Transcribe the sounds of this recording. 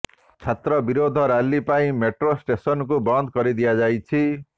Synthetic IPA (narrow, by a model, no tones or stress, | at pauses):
t͡sʰet̪rʌbiɾod̪ʱʌɾalːipaĩmeʈrosʈesʌnkobʌnd̪kʌɾid̪ijad͡zajt͡sʰi